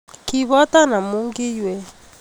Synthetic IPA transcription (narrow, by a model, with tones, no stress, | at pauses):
ki˨βɔ˦ta˦na˨mu˦ŋɡi˦jwɛ˦˨